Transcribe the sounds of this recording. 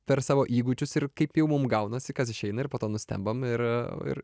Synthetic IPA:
pʲɛɾsɑːʋoːʔiːɡʊt͡ʃʲʊsɪrkɐɪpjɛʊmʊmɡɐʊnɐsʲɪkɐsɪʃʲɛɪnɐɪɾrpoːt̪oːnʊsʲt̪ʲɛ̰mbɐmɪɾɪ̰ɾ

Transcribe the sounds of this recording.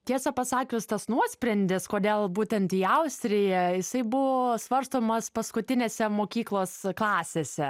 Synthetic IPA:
t̪ʲiɛsɐpɐsɑːkʲʊst̪ɐsnuɔsʲpʲɾʲɛnʲd̪ʲɪskoːd̪ʲeːlˠbuːt̪ʲɛnt̪iːɐʊsʲt̪ʲɾʲɪjɛjɪsɐɪbʊʋoːsʋɐɾst̪oːmɐspɐskʊt̪ʲɪnʲeːsʲɛmoːkʲiːklˠoːsklˠɑːsʲeːsʲɛ

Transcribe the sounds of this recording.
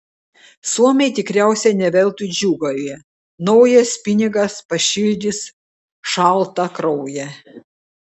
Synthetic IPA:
suɔmʲɛɪt̪ʲɪkɾʲæˑʊsʲɛnʲɛʋʲɛlʲˠt̪ud͡ʒʲuːɡolʲiɛ | nɒʊjɐspʲɪnʲɪɡɐspɐʃʲɪlʲd̪ʲɪs | ʃɑˑlˠt̪ɐkɾɔʊjɛ

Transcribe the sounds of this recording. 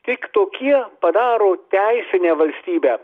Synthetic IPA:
t̪ʲɪkt̪oːkʲiɛpɐd̪ɑːɾoːt̪ʲæɪsʲɪnʲeːʋɐlʲsʲt̪ʲiːbʲæː

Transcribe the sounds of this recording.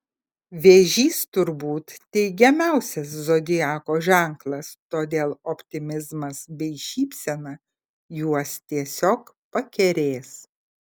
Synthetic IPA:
ʋʲeːʒʲiːst̪ʊɾbuːt̪t̪ʲɛɪɡʲɛmʲæˑʊsʲɛs̬zod̪ʲɪjæːkoːʒʲæˑŋklˠɐst̪oːd̪ʲeːlˠɔpʲt̪ʲɪmʲɪzmɐsbʲɛɪʃʲiːpʲsʲɛnɐ | juɔst̪ʲiɛsʲoːk | pɐkʲɛɾʲeːs

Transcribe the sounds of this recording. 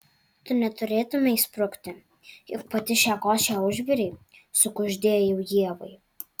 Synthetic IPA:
t̪ʊnʲɛt̪ʊɾʲeːt̪ʊmʲɛispɾʊkt̪ʲɪ | jʊk̚pɐt̪ʲɪʃʲæːkoːʃʲɛʊʒʲʋʲɪɾʲɛɪsʊkʊʒʲd̪ʲeːjjɛʊjiɛʋɐɪ

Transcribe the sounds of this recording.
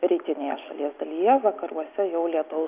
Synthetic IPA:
ɾʲiːt̪ʲɪnʲeːjɛ̰ʃɐ̰lʲiɛsd̪ɐlʲijɛʋɐkɐɾṵɔsʲɛjɛʊlʲiɛt̪ʊʊ

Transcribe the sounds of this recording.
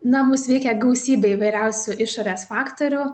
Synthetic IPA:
nɐmʊsʋʲɛɪkʲɛɡɐʊsʲiːbʲɛɪʋɐɪɾʲɛʊsʲʊʔɪʃoːɾʲeːsfɑːkt̪oɾʲʊ

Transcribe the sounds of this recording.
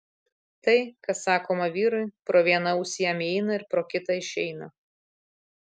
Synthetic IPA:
t̪ɐɪkɐsɑːkoːmɐʋʲiːɾʊɪpɾoːʋʲiɛnɐʊsʲɪjɛmʲɛɪnɐɪɾpɾoːkʲɪt̪ɑɪʃʲɛɪnɐ

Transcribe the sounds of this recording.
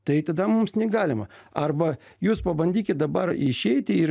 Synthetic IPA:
t̪ɐɪt̪ɐd̪ɐmʊmsnʲɛɡɑːlʲɪmɐɐrbɐjuːspɐbɐnʲd̪ʲiːkʲɪt̪̚d̪ɐbɐɾɪʃʲɛɪt̪ʲɪɪɾ

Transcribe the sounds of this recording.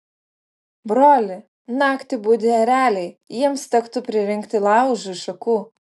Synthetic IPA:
bɾoːlʲɪ | nɑːkt̪ʲɪbuːd̪ʲɪɐɾʲæːlʲɛɪjiɛmst̪ʲɛkt̪ʊpʲɾʲɪɾʲɪŋʲkt̪ʲɪlˠɑˑʊʒʊɪʃɐkuː

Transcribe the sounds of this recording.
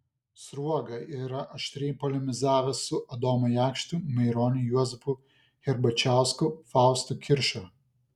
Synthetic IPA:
sɾuɔɡɐiɾɐʔɐʃʲt̪ʲɾʲɪjpɔlʲɪmʲɪzɑːʋʲɛsʊʔɐd̪oːmɐjæˑkʃt̪ʊmɐɪɾoːnʲɪjuɔzʲɛpʊ | xʲɛɾbɐt͡ʃʲæˑʊskʊfɑˑʊst̪ʊkʲɪɾʲʃʲo

